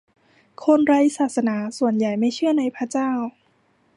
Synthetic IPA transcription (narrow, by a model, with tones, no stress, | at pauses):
kʰo˧nɾa˧jsaː˨˩t̪̚sa˧naː˩˦su˨˩ənja˨˩jma˥˩jt͡ɕʰɯ˥˩əna˧jpʰɾa˦˥t͡ɕaː˥˩w